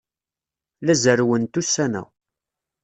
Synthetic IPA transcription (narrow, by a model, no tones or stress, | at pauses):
læzəɾwənt̪usːænæ̰